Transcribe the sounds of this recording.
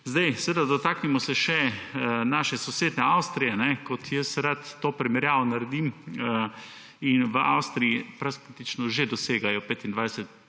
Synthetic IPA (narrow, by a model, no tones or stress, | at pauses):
zd̪ajsəʋed̪ad̪ɔt̪aːknimɔsɛʃɛnaːʃɛsɔseːd̪nɛawst̪ɾijɛnɛkɔt̪ʰjəsɾat̪ːoːpɾɛmɛɾjaːʋonaɾɛd̪im | inʋəʔawst̪ɾijipɾaskit̪it͡ʃnɔʒed̪ɔseːɡajɔpeːt̪ind̪ʋajsɛt̪